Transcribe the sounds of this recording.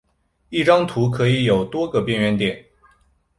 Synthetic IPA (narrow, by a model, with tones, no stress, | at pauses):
i˥˩ʈ͡ʂɑ˥ŋt̪ʰu˧˥kʰɤ˧˥i˧˥jo˨˩ʊt̪wɔ˥ɡə˨pjɛ˥˧nɥɛ˥˧nt̪jɛ˨˩˦n